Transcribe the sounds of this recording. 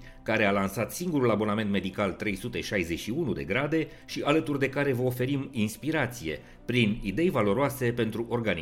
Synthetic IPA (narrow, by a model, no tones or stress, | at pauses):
kaɾe̞alansat̪siŋɡuɾulabo̞name̞nt̪me̞d̪ikalt̪ɾe̞jsut̪e̞ʃajze̞t͡ʃʃiunud̪e̞̰ɡɾad̪e̞ | ʃiʔalət̪urd̪e̞kaɾe̞vəo̞fe̞ɾiminspiɾat̪sije̞̰ | pɾinid̪e̞jvalo̞ɾoase̞pe̞nt̪ɾuʔo̞rɡani